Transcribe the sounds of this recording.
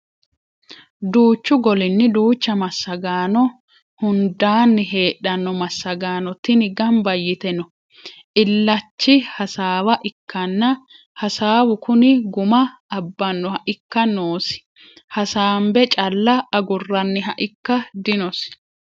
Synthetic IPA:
d̪uːt͡ʃːʊɡɔlɪnːɪd̪uːt͡ʃːɐmɐsːɐɡaːnɔ | hʊnd̪aːnːɪɦe̞ːɗːɐnːɔmɐsːɐɡaːnɔt̪ːɪnɪɡɐmbɐjːɪt̪ɛnɔ | ʔɪlːɐt͡ʃːɪhɐsaːwɐʔɪkːɐnːɐ | hɐsaːwʊkʊnɪɡʊmɐːbːɐnːɔhɐʔɪkːɐnoːsɪ̥ | hɐsaːmbɛt͡ʃʼɐlːɐɐɡʊrːɐnːɪɦɐʔɪkːɐd̪ɪnɔs

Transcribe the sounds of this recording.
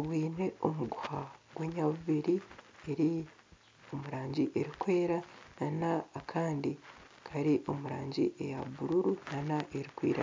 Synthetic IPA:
βwiːne̞o̞muɡuhaɡweːɲaβuβiɾie̞ɾi | o̞muɾaːɲɟiʔe̞ɾikwe̞ːɾananaːkʰaːndi | kʰaɾiʔo̞muɾaːɲɟiʔe̞jaβuɾuɾunanaʔe̞ɾikwḭːɾa̰

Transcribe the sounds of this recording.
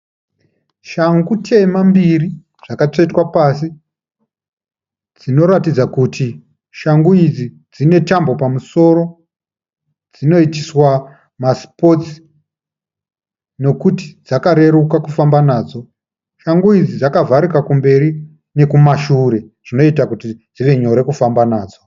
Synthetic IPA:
ʃaŋɡutʰejmambiri | ʐ̥akat͡ʂoitwapasi | d͡zino̞ɾatid͡zakuti | ʃaŋɡuid͡zi | d͡zine̞tambo̞pamuso̞ɾo̞ | d͡zino̞itiswa | maspo̞t͡si̥ | no̞kuti̥d͡zakaɾe̞ɾukakufambanaːd͡zo̞ | ʃaŋɡuid͡zid͡zakavʱaɾikakumbe̞ɾi | ne̞kumaʃuɾe̞ʐ̥ino̞itakutid͡ziʋe̞ɲo̞ɾekufambanaːd͡zo

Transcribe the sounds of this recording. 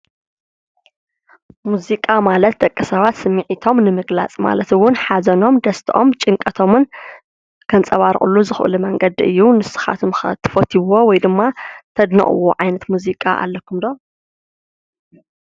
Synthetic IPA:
muzikʼamalɐt̪̚d̪ʼɐkʼːɨsɐβat̪sɨmːiʕit̪ʰo̞mnɨmɨɡla̰t͡sʼma̰lɐt̪wʊnħazɐno̞md̪ɐst̪ʰʔo̞̰mt͡ʃʼɨŋkʼɐt̪ʰo̞mɨn | kʰɐnt͡sʼɐβaɾχʼṵlːuzɨxʔɨ̰lumɐŋɡɐd̪ɨ̰jːunɨsɨ̥xa̰t̪ʰɨmxɐ̰t̪ʰːɨ̥fot̪ʰiwowɔjd̪ɨmːat̪ʰɐd̪nɐ̰χʼɨ̰woʕajnɐt̪muzikʼa̰ʔa̰lːɐkʰumd̪o

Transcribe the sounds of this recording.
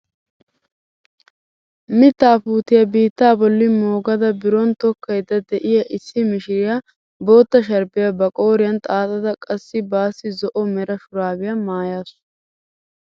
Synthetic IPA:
mɪt̪ːaːpuːt̪ɪjɐbiːt̪ːaːbɔlːɪmoːɡɐd̪ɐbɪɾɔnt̪ɔkʰːɐjd̪ɐd̪ɛʔɪjɐʔɪsːɪmɪʃɪɾɪja | bo̞ːt̪ːɐʃ̬ɐɾbɪjabɐkʼoːɾɪjɐnt̪ʼaːt̪ʼɐd̪ɐkʼɐsːɪbaːsːɪzɔʔɔmɛɾɐʃʊɾaːbɪjɐmaːjaːsʊ

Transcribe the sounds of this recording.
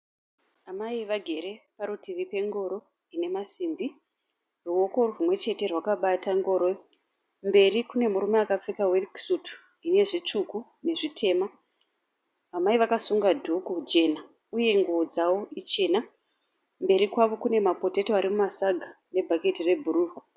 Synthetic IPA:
amaiʋaɡʱe̞ɾe̞paɾutiʋipe̞ŋɡo̞ɾo̞ | ine̞masimbi | ruo̞ko̞rorumwe̞t͡ʃe̞te̞rwakaɓataŋɡo̞ɾoj | mbe̞rikune̞muɾumeakap͡fikaweksutu̥ | ine̞ʐit͡ʂuku | ne̞ʐitʰe̞ːma | ʋamaiʋakasuŋɡadʱukud͡ʒe̞na | uje̞ŋɡuod͡zawo̞it͡ʃe̞na | mbe̞ɾikwaʋo̞kune̞mapo̞te̞toaɾimumasaɡʱa | ne̞bʱake̞tire̞bʱuɾuːru

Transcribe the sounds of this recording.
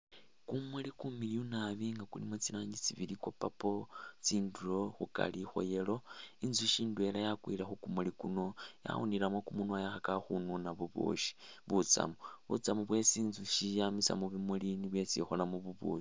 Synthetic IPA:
kumulikumiliunaβiŋɡakulimot͡silaːɲɟit͡siβilikwopapo̞t͡siːnduɾoxuka̰lixo̰jelo̞inzuʃiːndue̞lajakwilaxukumulikuno̞ja̰wṵniɾamwakumunuajaxakaxununaβuβṵʃi̥βut͡sa̰muβṵt͡samuβwe̞t͡siːnzuʃijamisa̰muβimuliniβwe̞t͡sḭxolamuβuβṵʃi

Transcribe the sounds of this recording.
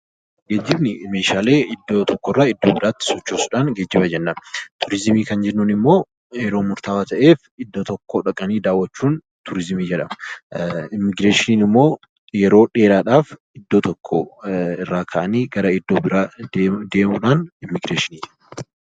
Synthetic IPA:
ɡeːd͡ʒːɪbnɪmeːʃaːle̞ːɪd̪ːoːt̪ʰɔkːorːaːɪd̪ːoːbɪɾaːt̪ːɪ̥sɔt͡ʃːoːsʊᶑaːnɡeːd͡ʒːɪbɐd͡ʒɛnːɐmt̪ʊɾɪzɪmiːkɐnd͡ʒɛnːuːnɪmːo̞ː | jɛɾo̞ːmʊɾt̪aːwat̪ɐʔe̞ːfɪd̪ːot̪ɔkʰːoːᶑɐkʼɐniːd̪aːwːɐt͡ʃːuːn | t̪ʊɾɪzɪmiːd͡ʒɛᶑɐmɐ | ɪmːɪɡɾeːʃɪniːnɪmːo̞ː | jɛɾo̞ːᶑe̞ːɾaːᶑaːf | ɪd̪ːoːt̪ɔkʰːo̰ɪrːaːkʰɐʔɐniːɡɐɾɐɪd̪ːoːbɪɾaːd̪e̞ːmʊᶑaːnɪmːɪɡɾeːʃɪniːd͡ʒɛ

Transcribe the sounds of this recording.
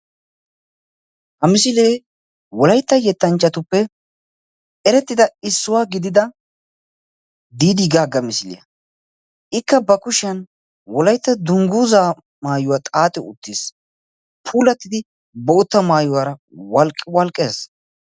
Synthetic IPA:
hɐmɪsɪleː | wɔlɐjt̪ːɐjɛt̪ːɐnt͡ʃːɐt̪ʊpːɛ | ɛɾɛt̪ːɪd̪ɐɪsːʊwaːɡɪd̪ɪd̪ɐ | d̪iːd̪iɡaːɡːɐmɪsɪlɪ̰jɐ̰ | ʔɪkːɐbɐkʊʃɪɐn | wɔlɐjt̪ːɐd̪ʊŋɡuːzaː | maːjʊwaːt̪ʼaːt̪ʼɛʊ̰t̪ːis | pʰuːlɐt̪ːɪd̪ɪ | bɔʊt̪ːɐmaːjʊwaɾɐwɐlkʼwɐlkʼːeːs

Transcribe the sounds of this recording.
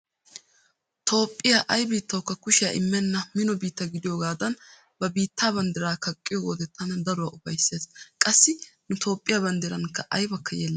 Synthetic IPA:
t̪ʰo̞ːpʼːɪjaːʔɐjbiːt̪ːɐwkːɐkʊʃɪja̰ʔɪ̰mːɛnːɐmɪnɔbiːt̪ːɐɡɪd̪ɪjoːɡaːd̪ɐn | bɐbiːt̪ːaːbɐnd̪ɛɾaːkɐkʼːɪjɔɡoːd̪ɛt̪ʰːɐnɐd̪ɐɾʊwaʊfɐjsːeːskʼɐsːɪnʊt̪ʰo̞ːpʼːɪjaːbɐnd̪ɛɾɐnkːɐʔɐjbɐkːɐjeːlːɐ

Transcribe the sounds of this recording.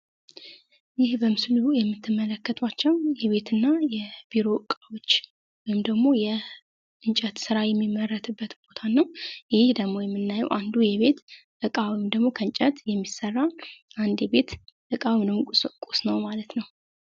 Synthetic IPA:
jɪhbəmɨsɨluujɛmːɨt̪ʰːɨmːələkːət̪ʰʼwat͡ʃːɛwjɛβe̞t̪ʰɨnːajɛb̥iɾo̞ʔɨkʼawo̞t͡ʃː | wɔjɪmd̪əɡmo̞jɛ | ʔɨnt͡ʃʼət̪sɨɾajɛmːimːərːət̪ʰɨbːət̪b̥o̞t̪ʰanːəwjɪhd̪əɡmo̞jɛmːɨnːajːɛ̰wʔand̪ujɛβe̞t̪ | ʔɨkʼawɔjmd̪əɡmo̞kʰəɨnt͡ʃʼət̪jɛmːisərːaʔand̪jɛbe̞t̪ʔɨkʼawnɨmkʼusnəwmalət̪nəw

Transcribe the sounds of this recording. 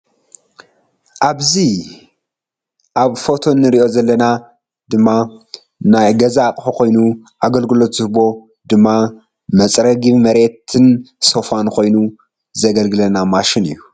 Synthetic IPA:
ʔaβzi | ʔaβfo̞t̪ʰo̞nːɨɾiʔo̞zɐlːɐna | d̪ɨmːa | najɡɐzakʼħukʰo̞jnu | ʔaɡɐlɡɨlo̞t̪z̥ɨhbo̞ | d̪ɨmːa | mɐt͡sʼɾɐɡiβmɐɾe̞t̪ʰɨnso̞fankʰo̞jnu | zɐɡɐlɡɨlɐnamaʃɪnḭjːu

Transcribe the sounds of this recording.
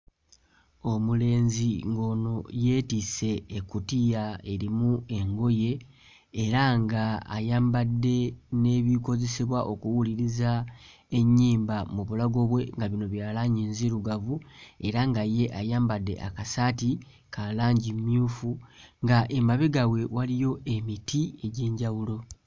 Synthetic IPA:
o̞mule̞ːnziŋɡo̞no̞je̞ːtise̞ːkutijae̞ɾimue̞ŋɡo̞je̞ː | ɾaŋɡa̰ːjaːmbadːe̞ne̞ːβiko̞ze̞siβwaʔo̞kuwuliɾiza | e̞ɲːiːmbamuβulaɡo̞βwe̞ŋɡaβino̞βjaːlaɲiːnziɾuɡavue̞ɾaŋɡaje̞ʔajaːmbadːe̞̰ʔa̰kasati | kalaːɲɟimmjuːfuŋɡaʔe̞maβeɡawe̞walijo̞ʔe̞mitie̞ɟe̞ːɲɟawulo̞

